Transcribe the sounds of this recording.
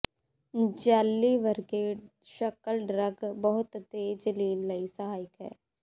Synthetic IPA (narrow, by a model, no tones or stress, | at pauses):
d͡ʒaːlːiʋəɾkeː | ʃəkəlɖɾəɡbəɦʊt̪t̪eːd͡ʒəliːnləisəɦaːjɪkɦɛ̰ː